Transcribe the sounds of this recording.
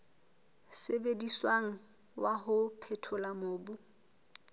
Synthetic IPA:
sebediswaŋ̩ | waɦʊpʰɛtʰʊlamoːbu

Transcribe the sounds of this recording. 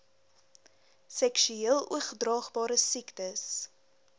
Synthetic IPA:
sɛkʃyiəlˠuəχdrɑːχbɑːɾəsiktəs

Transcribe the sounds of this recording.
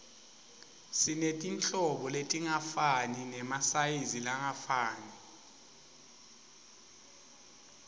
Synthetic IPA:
sinetʼint͡ɬʼɔɓɔletʼiŋafaninɛmasajizilaŋafaːni

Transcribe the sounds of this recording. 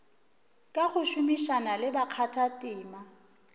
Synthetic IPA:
kʼaɣʊʃʊmiʃanalɪbaq͡χʰatʰatʼɪːma

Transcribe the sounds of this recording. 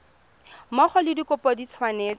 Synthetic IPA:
mɔχɔlɪdikʼʊpɔdit͡sʰwaneːt͡s

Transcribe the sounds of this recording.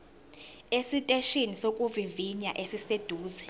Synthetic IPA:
esitʼeʃinisokʼuviviɲaʔesised̥ʱuːzɛ

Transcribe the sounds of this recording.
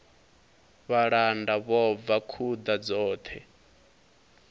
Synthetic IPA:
βaɺandaβɔvakʰud̪ad͡zɔːt̪ʰɛ

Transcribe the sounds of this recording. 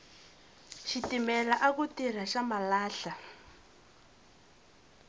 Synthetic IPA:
ʃitimɛlaʔak̬utir̤aʃamalaːɬa

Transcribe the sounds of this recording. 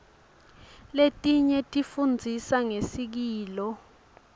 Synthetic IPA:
letʼiɲɛtʼifund͡zʱisaŋesik̬iːlɔ

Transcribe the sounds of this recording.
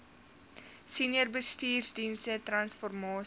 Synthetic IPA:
siniərbəstiːrsdinsətrɐnsfɔrmɑː

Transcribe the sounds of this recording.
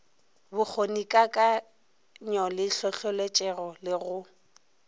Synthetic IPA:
bʊk͡xʰonikʼakʼa | ɲɔlɪɬɔɬɔlet͡ʃʼɛrɔlɪɣʊ

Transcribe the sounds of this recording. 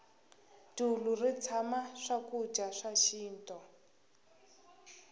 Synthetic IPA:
d̥ulurit͡sʰamaʂakud͡ʒaʂaʃiːntʼɔ

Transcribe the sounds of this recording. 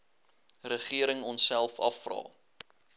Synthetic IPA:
rəχiəɾəŋɔnsælˠfɐ̰frɑ̰ː

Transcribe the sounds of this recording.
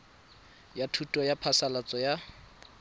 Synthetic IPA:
jatʰutʼɔjapʰasalat͡sʼɔja

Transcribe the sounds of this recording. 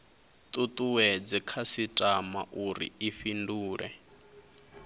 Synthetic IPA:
t̪ʼut̪ʼuwɛd͡zɛkʰasitʼama̰ʔuɾḭiɸinduːɺɛ̰

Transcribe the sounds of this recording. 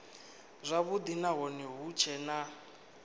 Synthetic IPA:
zʷaβud̪inaɦɔnɛɦut͡ʃʰɛna

